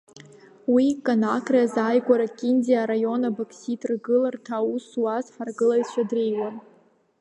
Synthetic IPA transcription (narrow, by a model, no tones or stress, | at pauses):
wikʼanakʰʼraazajɡʷʼaɾakʲʼindiaɾajo̞nabakʰsitʼrɡɨlartʰauswazħarɡɨlajʃʷʰadrejwan